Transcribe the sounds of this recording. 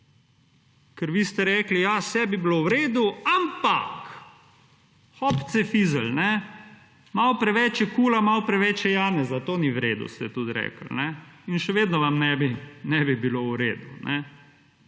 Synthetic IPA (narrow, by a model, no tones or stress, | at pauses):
kɛɾʋiːst̪ɛɾɛklijasɛbibilowɾeːd̪uampa̰k | xɔpt̪sɛfizəlnɛ | mawpɾɛʋɛt͡ʃjɛkuːlamawpɾɛʋɛt͡ʃjɛjaːnɛzat̪oːniwɾḛːd̪ṵst̪ɛt̪ut̪ɾɛ̰ːkl̩nɛinʃɛʋeːd̪nɔʋamnɛbinɛbibilowɾeːd̪unʔɛ